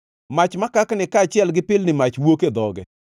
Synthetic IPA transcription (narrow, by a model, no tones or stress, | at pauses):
mat͡ʃmakaknɪkaːt͡ʃɪɛlɡɪpɪlnɪmat͡ʃwoked̪ɔɡɛ̰